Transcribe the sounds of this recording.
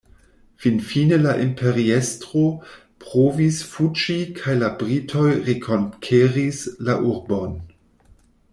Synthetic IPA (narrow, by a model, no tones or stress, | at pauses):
finfinelaʔimpʰe̞ɾiestʁo̞ | pʁovisfut͡ʃikʰajlabʁitʰo̞jʁekʰo̞nkʰeʁislaʔuɾbo̞n